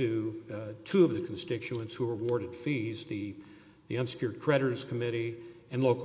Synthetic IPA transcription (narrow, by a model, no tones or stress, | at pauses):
ɨtʰʉʌvðɨkʰn̩stɪt͡ʃʉə̃ntshuɹəwɔɹɾɨd̥fizðɨ | ðiʌ̃nsɨ̥kʰjʊɹd̚kʰɹ̥ɛɾə˞z̥kʰəmɪɾiɨ̃nloʊk